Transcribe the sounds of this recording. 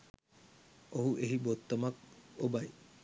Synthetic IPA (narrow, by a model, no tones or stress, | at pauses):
oɦuʔeɦibot̪ːamak̚obaj